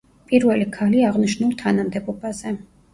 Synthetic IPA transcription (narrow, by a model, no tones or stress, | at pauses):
pʼiɾvɛlikʰaliaʁniʃnulˠt̪ʰanamd̪ɛbɔbaz̥ɛ